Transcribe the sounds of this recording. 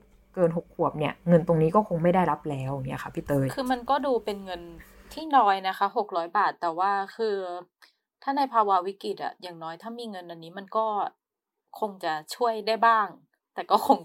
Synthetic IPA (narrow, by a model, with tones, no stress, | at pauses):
kɤː˧nɦo˨˩kʰːu˨˩əp̚ni˥˩ɐŋɤ˧nt̪o˧ŋniː˦˥kɔː˥˩kʰo˧ŋma˥˩jdaː˥˩jɾa˦˥p̚lɛː˦˥wja˨˩ŋi˦˥ʔxʰa˦˥˩pʰiː˦˥˩t̪ɤː˧jkʰɯː˧ma˧nkɔː˥˩duː˧pe˧nŋɤ˧nt̪ʰiː˥˩nɔː˦˥jna˦˥kʰa˦˥ɦo˨˩k̚ɾɔː˦˥jbaː˨˩t̪ːɛː˨˩waː˥˩kʰɯː˧ | t̪ʰaː˥˩na˧jpʰaː˧wa˦˧˥wi˦˥ki˨˩t̪̚ʔa̰˨˩jaː˨˩ŋnɔː˦˥jt̪ʰaː˥˩miː˧ŋɤ˧nʔa˧nːiː˦˥ma˧nkɔː˥˩ | kʰo˧ŋt͡ɕa˨˩t͡ɕʰu˥˩əjda˥˩jbaː˥˩ŋ | t̪ɛː˨˩kɔː˥˩kʰo˧ŋ